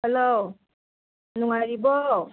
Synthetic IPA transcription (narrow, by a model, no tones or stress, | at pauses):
hɛlow | nuŋaɾibɔ